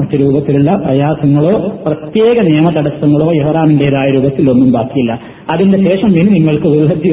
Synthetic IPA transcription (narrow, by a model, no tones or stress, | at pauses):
ɐt̪ːiɾuːbɐt̪ːiluɭːɐprɐjaːsɐŋːɐɭo̞ːprɐt̪je̞ːɣɐneːmɐt̪ɐɽɐsɐŋːɐɭo̞ːjeʋɐraːmindejɐðaːjɐɾuːbɐt̪ːilo̞nːumbaːkijilːɐ | ɐðindeɕe̞ːʂɐmʋinniŋːɐɭkɨʋuɭːɐd̪i